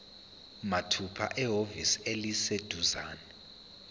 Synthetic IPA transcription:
matʰupʰa̰ʔɛɦoviselised̥ʱuzaːnɛ

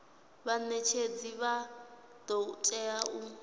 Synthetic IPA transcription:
βanɛt͡ʃʰed͡ziβa | d̪̥ɔutʼɛau

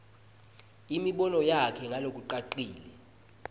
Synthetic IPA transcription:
imiɓɔnɔjakʰɛŋʱalok̬ʼuǃaǃiːlɛ

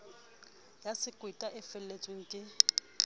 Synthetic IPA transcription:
jasɪkʼwɪtʼaʔɛfɛl̩let͡sʼweŋ̩kʼɪ

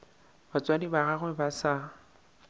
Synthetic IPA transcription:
bat͡sʼwadibaɣaɣwɛbasa

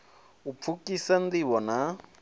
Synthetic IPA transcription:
up̪fʰukisandiβɔna

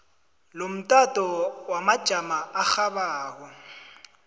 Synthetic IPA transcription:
lom̩tʼatʼɔwamḁʒ̥ʱamaːxabaːɣɔ

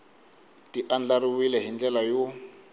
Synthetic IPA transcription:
tiʔand͡ɮaɾiwilɛɦind͡ɮɛlajo

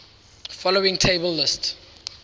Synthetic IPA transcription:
fɔloɪ̃ŋtʰeɪbəlːɪst

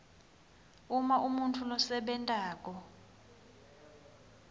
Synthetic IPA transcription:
umaʔumuntʰulɔsɛɓɛntʼaːk̬ʼɔ

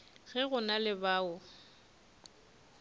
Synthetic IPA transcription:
ɣɛɣʊnalɪbaːʊ

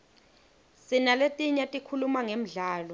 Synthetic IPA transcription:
sinaletʼiɲatʼikʰulumaŋem̩ɮaːlɔ

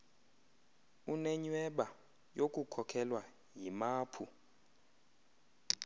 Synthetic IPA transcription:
unɛɲwɛɓa | jokʼukʰɔkʰɛlwa | jimaːpʰu

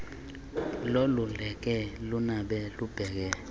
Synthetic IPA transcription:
lolulɛk̬ɛlunaɓɛlub̥ʱɛk̬ɛ

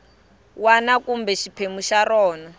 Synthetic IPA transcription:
wanakumbɛʃipʰemuʃaɾɔːna

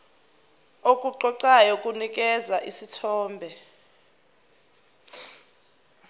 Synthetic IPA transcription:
okʼuǃɔǃajɔkʼunik̬ʼɛzaʔisitʰɔːmbʱɛ

